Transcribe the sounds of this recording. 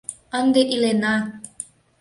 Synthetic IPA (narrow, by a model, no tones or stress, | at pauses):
ənd̪eʔilenɑ